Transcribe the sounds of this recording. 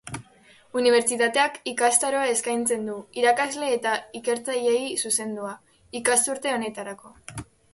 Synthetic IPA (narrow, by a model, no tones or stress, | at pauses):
uniβ̞e̞ɾt͡ʃit̪at̪e̞akikast̪aɾo̞ae̞skajnt͡se̞nd̪uiɾakazle̞ːt̪aike̞ɾt͡saʎe̞jsuse̞nd̪ua | ikast̪uɾt̪e̞o̞ne̞t̪aɾako̞